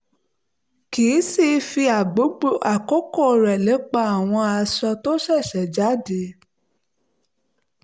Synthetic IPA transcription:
kiː˨˦si˦˨˦fi˧a˨ɡ͡bo˨˦o˦a˨ko˦ko˦˨ɾɛ˨lɛ˨˦k͡pa˧a˨w̃ɔ̃˧a˧sɔ˧to˦ʃɛ˦˨ʃɛ˨d͡ʒa˨˦de˨˦

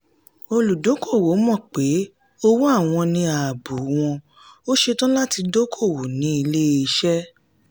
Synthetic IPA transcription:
o˧lu˨do˨˦ko˦˨wo˨˦mɔ̃˦˨k͡pe˨˦ | o˦wo˦a˦˨w̃ɔ̃˧nĩ˧a˨bu˨˦w̃ɔ̃˧ | o˦ʃe˧tɔ̃˦la˦ti˧do˦kʰo˦˨wo˨nĩ˨˦i˧le˦i˧ʃɛ˦

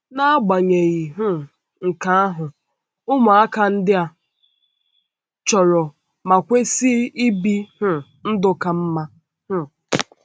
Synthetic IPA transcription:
na˦ɡ͡ba˨ɲe˨ɣi˨ɦʊ˦ | ŋ̩˨ka˨˦a˦ɦʊ˨ | ʊ˦ma˨a˦ka˦n̩˦dɪ˦a˨ | t͡ʃɔ˨ɾɔ˨ | ma˨kʷe˦si˦i˦bi˦hʊ˨ | n̩˦dʊ˦ka˨m̩˦ma˦ | hʊ˦

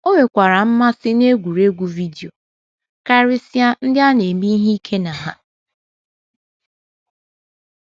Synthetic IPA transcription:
o˦ŋe˨kʷa˨ɾa˨m̩˦ma˦sɪ˦ne˦ɡʷu˨ɾe˦ɡʷu˨vi˦di˨o˨ | ka˦ɾɪ˦si˦a˦n̩˦dɪ˦a˦ne˨mi˦ɦi˦i˦kʰe˦na˨ɦa˦

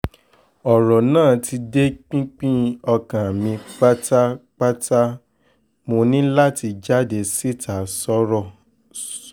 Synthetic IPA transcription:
ɔ˨ɾɔ˨nãː˦˨ti˧de˦k͡pĩ˦k͡pĩ˦ɔ˧kã˨mĩ˧k͡pa˦ta˦k͡pa˦ta˦ | mo˧nĩ˦la˦ti˧d͡ʒa˦de˧si˦˨tʰa˨sɔ˦ɾɔ˦˨

